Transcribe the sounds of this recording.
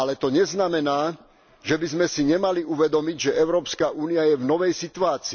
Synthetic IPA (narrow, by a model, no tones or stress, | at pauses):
alɛt̪ɔɲɛznamɛnaː | ʒɛbizmɛsiɲɛmaliʔuʋɛd̪ɔmiɟʒɛʔɛʊɾɔːpskaʔuːniajɛvnɔʋɛjsit̪uaːt͡si